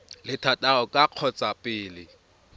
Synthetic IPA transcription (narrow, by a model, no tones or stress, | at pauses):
lɪtʰatʼaɣɔkʼaq͡χʰɔt͡sʼapʼɪːlɪ